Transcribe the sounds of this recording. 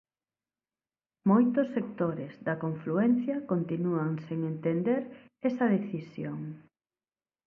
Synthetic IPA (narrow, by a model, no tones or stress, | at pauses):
mojt̪osːekt̪oɾezðɐkoɱfluɛn̟θjɐkont̪inuɐŋseŋent̪end̪eɾ | ɛsɐðeθisjoŋ